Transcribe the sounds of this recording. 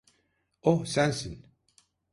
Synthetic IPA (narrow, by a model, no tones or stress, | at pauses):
ohsænsin